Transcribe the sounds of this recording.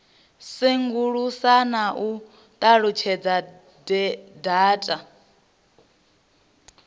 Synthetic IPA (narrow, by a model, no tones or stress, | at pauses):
siŋɡuɺusanaʔu | t̪ʼaɺut͡ʃʰɛd͡za | dɛdaːtʼa